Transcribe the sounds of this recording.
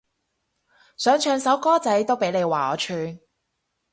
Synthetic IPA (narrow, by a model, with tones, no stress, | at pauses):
sœː˨˥ŋt͡ʃʰœː˧ŋsɐ˨˥wkɔː˥t͡sɐ˨˥jt̪o˥wpe˨˥jne˨˧jwaː˨˩ɔː˨˧t͡ʃʰyː˨˧n